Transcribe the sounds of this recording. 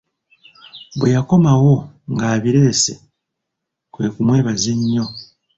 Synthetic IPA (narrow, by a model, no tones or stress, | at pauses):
βwejako̞mawo̞ | ŋɡaːβiɾe̞ːse̞ | kwe̞ːkumwe̞ːβaze̞ɲːo̞